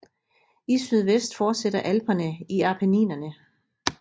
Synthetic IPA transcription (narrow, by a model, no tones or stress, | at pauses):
isyð̞ˠʋesd̥fɒːd̥sed̥ɐʔælb̥ɐnəiɑ̈pʰænḭːnɐnə